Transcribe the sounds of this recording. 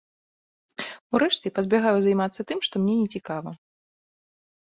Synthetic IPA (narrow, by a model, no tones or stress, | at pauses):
uɾɛʂt͡sʲɛpɐzʲbʲaɣajuzajmat̪sːɐt̪ɨmʂt̪ɔmnʲɛnʲɛt͡sʲikavɐ